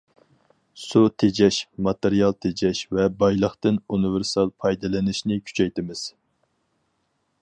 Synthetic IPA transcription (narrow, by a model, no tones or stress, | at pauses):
sut̪ʰed͡ʒɛʃmɑt̪eɾijɑlˠt̪ʰed͡ʒɛʃvɛbɑjlˠəχt̪ɨnunɨvɪɾsɑlˠpʰɑjd̪ɨlɪnɪʃnɪkʲʰy̥t͡ʃʰɛjt̪ɪmɪz̥